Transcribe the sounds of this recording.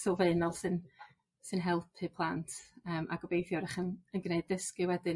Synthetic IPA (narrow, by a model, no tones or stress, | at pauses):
sovenɔlˠsɨn | sɨnɦɛlˠpʰɨpʰlˠantʰəːmʔa̰ɡ̥ɔbejθjɔɾɪχənənɡnejdəskɨwɛdɨn